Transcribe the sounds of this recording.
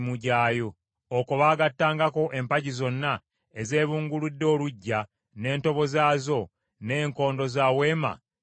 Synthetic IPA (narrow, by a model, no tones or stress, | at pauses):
muɟaːjo̞ | okoβaːɡatːaːŋɡako̞ʔe̞mpaɟizo̞nːa | eze̞ːβuːŋɡuludːo̞ːluɟːa | ne̞ːnto̞βo̞zaːzo̞ | ne̞ːŋko̞ːndo̞zaːwe̞ːma̰